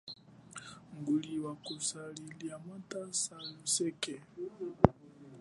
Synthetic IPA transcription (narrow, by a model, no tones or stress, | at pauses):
ŋɡuɺiwakusaɺiliamatʼasajɔsɛkɛ